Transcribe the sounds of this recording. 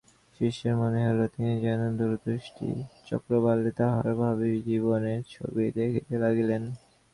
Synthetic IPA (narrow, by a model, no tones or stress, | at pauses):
ʃiʃeɾmoneɦolot̪inid͡ʑanond̪uɾut̪oʃʈʰḭt͡ɕɔ̰kɾobalːit̪aɦɔebʱabid͡ʑiβoneɾt͡ɕʰo̰bid̪ekʰit̪elaɡilen